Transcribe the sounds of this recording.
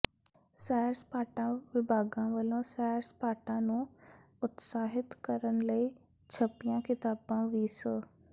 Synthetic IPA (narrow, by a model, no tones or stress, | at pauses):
sɛːɾspaːʈãʋɪbʱaːɡãʋəlõsɛːɾspaːʈãnũː | ʊt̪saːɦɪt̪kɐɾəñɪ̆ləi | t͡ʃʰɐpijãkɪt̪aːbãʋiːsə